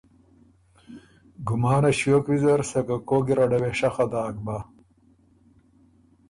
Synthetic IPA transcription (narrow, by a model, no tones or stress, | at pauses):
ɡumaːnɐɕokwizɐɾsɐkakoɡiɾɐɖɐweʂɐxɐd̪aːk̚ba